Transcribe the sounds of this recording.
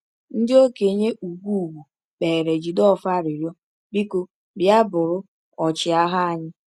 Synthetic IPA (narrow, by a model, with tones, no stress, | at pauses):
n̩˦dɪ˦o˦ke˨ɲe˦ʔu˨ɡʷu˦u˨ɡu˨ | k͡pe˨ɾe˨d͡ʒi˨dɔ˦fa˦˨ɾi˨ɾjɔ˦ | bi˦ko˨ | bja˦bʊ˨ɾʊ˦ | ɔ˨t͡ʃɪ˨a˦ɦa˦a˨ɲɪ˦